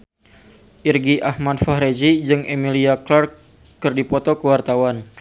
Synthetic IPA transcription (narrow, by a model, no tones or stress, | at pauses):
ʔirɡiʔahmadfahɾed͡ʒid͡ʒɨŋemiliaklarkː | ɨrdipɔt̪ɔkəwart̪awan